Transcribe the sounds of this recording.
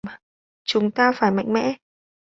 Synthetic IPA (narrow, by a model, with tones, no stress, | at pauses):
t͡ɕʊ˨˦ŋ͡mt̪aː˧faː˧˩jma̰˧˨jŋ̟mɛ̰˧˥